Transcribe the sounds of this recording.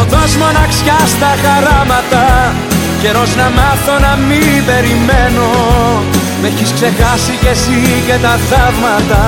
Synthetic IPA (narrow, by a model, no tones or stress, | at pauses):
oðozmo̞nɐksçɐst̪ɐxɐɾɐmɐt̪ɐ | ce̞ɾo̞znɐmɐθo̞nɐmipe̞ɾimeno̞ | meçiskse̞xɐsice̞sicet̪ɐθɐvmɐt̪ɐ